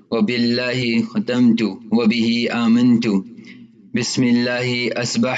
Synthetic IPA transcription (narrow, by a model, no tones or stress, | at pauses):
wabɪlːaːhɪxat̪amt̪ʊwabɪhɪʔaːmant̪ʊ | bɪsmɪlːaːhɪʔasba